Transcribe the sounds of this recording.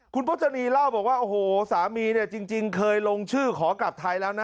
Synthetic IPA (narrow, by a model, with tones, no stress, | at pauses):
kʰu˧npʰt̪̚ʰːa˧niː˧la˥˩wbɔː˨˩k̚waː˥˩ʔo˧hoː˨˩saː˩˦miː˧ni˥˩ɐt͡ɕi˧ŋt͡ɕi˧ŋkʰɤː˧jlo˧ŋt͡ɕʰɯː˥˩kʰɔː˩˦ka˨˩t̪ʰːa˧jlɛː˦˥wna˦˥